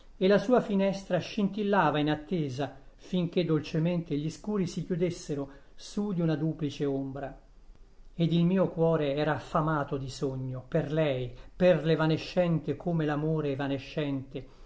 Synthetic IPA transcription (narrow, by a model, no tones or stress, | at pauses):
elasuːafinɛst̪ɾaʃint̪ilːaːvainat̪ːeːzafiŋk̟ed̪ːolt͡ʃement̪eʎiskuːɾisikjud̪esːeɾo | sud̪iunad̪uːplit͡ʃeombɾa | ed̪ilmiːokwɔːɾeɛːɾaːfamaːt̪od̪isoɲːoperlɛjperlevaneʃːɛnt̪ekʰoːmelamoːɾevaneʃːɛnt̪e